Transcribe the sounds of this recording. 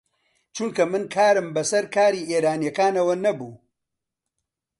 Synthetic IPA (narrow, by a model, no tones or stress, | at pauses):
t͡ʃuŋkɐmɨnkʰaːɾɨmbɐsɐɾkʰaːɾiːʔeːɾaːnijɐkaːnɐwɐnɐbuː